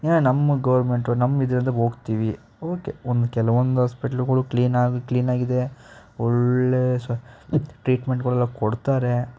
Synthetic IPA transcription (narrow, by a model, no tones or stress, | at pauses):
janɐmːɐɡɐʋɐɾme̞ɳʈonɐmːid̪ɐɾint̪ɐɦo̞ːɡt̪iːʋi | oːkeond̪ukɛlɐʋond̪uɦaːspiʈɐlɡɐɭukliːnaːɡkliːnaːɡid̪e̞ | ɔɭesɐʈɾiːʈmeɳʈɡɐɭɛlːɐkɔɽt̪aːɾe̞